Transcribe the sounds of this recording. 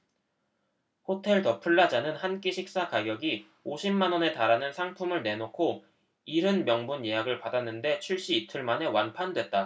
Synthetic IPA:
hotʰe̞ɭtʌpʰuɭːad͡ʑanɯnhank͈iɕʰik̚s͈akaɡjʌɡi | oɕʰimːanwʌne̞taɾanɯnsʰaŋpʰumɯɭne̞nokʰo | iɾɯnmjʌŋbunje̞ɦaɡɯɭpadanːɯnde̞t͡ɕʰiɭɕ͈iːtʰɯɭmane̞wanpʰandwe̞t̚t͈a

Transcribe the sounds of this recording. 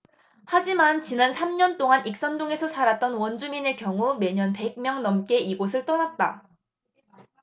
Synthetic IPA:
had͡ʑimant͡ɕinansʰamɲʌnt͈oŋanʔik̚s͈ʌndoŋe̞sʰʌsʰaɾat̚t͈ʌnwʌnd͡ʑumine̞kjʌŋume̞ɲʌnpe̞ɡ̚mjʌŋnʌmk͈e̞iɡosʰɯɭt͈ʌnat̚t͈a

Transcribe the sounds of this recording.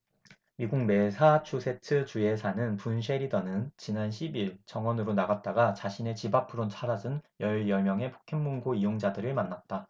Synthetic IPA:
miɡuŋme̞sʰat͡ɕʰusʰe̞tʰɯt͡ɕue̞sʰanɯnpunɕ̬ʰe̞ɾidʌnɯnt͡ɕinanɕʰibiɭt͡ɕʌŋwʌnɯɾonaɡat̚t͈aɡat͡ɕaɕʰine̞t͡ɕibapʰɯɾont͡ɕʰaɾad͡ʑɯnjʌɭjʌmjʌŋepʰo̥kʰeŋmuŋɡoijoŋd͡ʑadɯɾɯɭmanːat̚t͈a

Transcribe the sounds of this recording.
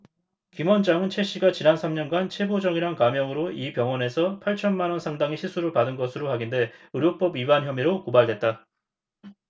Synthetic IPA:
kimwʌnd͡ʑaŋɯnt͡ɕʰe̞ɕ͈iɡat͡ɕinansʰamɲʌnɡant͡ɕʰe̞bod͡ʑʌŋiɾaŋkamjʌŋɯɾoipjʌŋwʌne̞sʰʌpʰaɭt͡ɕʰʌnmanwʌnsʰaŋdaŋiɕʰisʰuɾɯɭpadɯnɡʌsʰɯɾohaɡinde̞ɯɾjop͈ʌbibançjʌmiɾokobaɭdwe̞t̚t͈a

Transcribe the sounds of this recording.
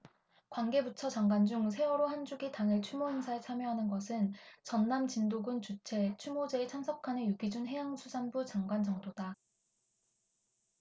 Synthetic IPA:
kwanɡe̞butʰʌt͡ɕaŋɡwand͡ʑuŋsʰe̞wʌɾoɦhand͡ʑuɡitaŋɯɭt͡ɕʰumoɦeŋsʰaet͡ɕʰamjʌɦanɯnɡʌsʰɯnt͡ɕʌnːamt͡ɕindoɡɯnt͡ɕut͡ɕʰe̞t͡ɕʰumod͡ʑe̞ːt͡ɕʰansʰʌkʰanejuɡid͡ʑunɦe̞jaŋsʰusʰanbut͡ɕaŋɡwand͡ʑʌŋdoda

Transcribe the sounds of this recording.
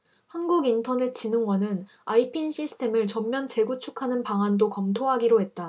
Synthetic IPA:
hanɡuɡintʰʌne̞t̚ʰt͡ɕ͈inɯŋwʌnɯn | aipʰinɕʰisʰɯ̥tʰe̞mɯɭt͡ɕʌmːjʌnt͡ɕe̞ɡut͡ɕʰu̥kʰanɯnpaŋandokʌmtʰoɦaɡiɾoɦe̞t̚t͈a

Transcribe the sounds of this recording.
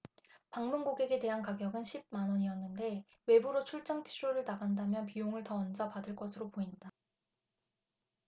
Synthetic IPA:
paŋmunɡoɡe̞ɡe̞te̞ɦankaɡjʌɡɯnɕʰib̚manʌɲiʌnːɯnde̞ | we̞buɾot͡ɕʰuɭt͡ɕ͈aŋt͡ɕʰiɾoɾɯɭnaɡandamjʌnpijoŋɯɭtʌːnd͡ʑapadɯɭk͈ʌsʰɯɾopoinda

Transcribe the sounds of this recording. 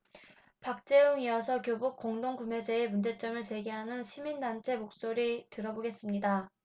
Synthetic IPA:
pak̚t͡ɕ͈e̞oŋiʌsʰʌkjobuk͈̚oŋdoŋɡume̞d͡ʑe̞emund͡ʑe̞t͡ɕ͈ʌmɯɭt͡ɕe̞ɡeɦanɯnɕʰimindant͡ɕʰe̞mok̚s͈oɾitɯɾʌboɡe̞s͈ɯmɲida

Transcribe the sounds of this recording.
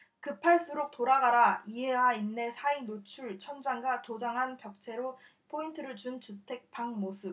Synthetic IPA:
kɯpʰaɭs͈uɾok̚t͈oɾaɡaɾaiɦewainːe̞sʰainot͡ɕʰuɭt͡ɕʰʌnd͡ʑaŋɡatod͡ʑaŋɦanpjʌk̚t͡ɕʰe̞ɾo | pʰointʰɯɾɯɭt͡ɕunt͡ɕutʰe̞k̚pʰaŋmosʰɯp̚

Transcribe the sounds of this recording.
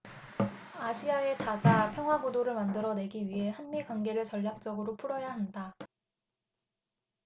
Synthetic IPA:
aɕʰiae̞tad͡ʑapʰjʌŋɦwabodoɾɯɭmandɯɾʌne̞ɡiɥiɦe̞hanmikwaŋɡe̞ɾɯɭt͡ɕʌʎːak̚t͡ɕ͈ʌɡɯɾopʰuɾʌjaɦanda

